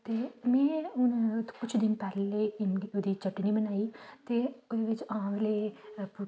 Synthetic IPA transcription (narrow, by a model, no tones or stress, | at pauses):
t̪eːmɛ̃ːʊnkʊt͡ʃʰd̪ɪnpɛːɾleːɪnod̪iːt͡ʃəʈːniːbənaːiːt̪eːʊd̪eːʋɪt͡ʃãːʋleːp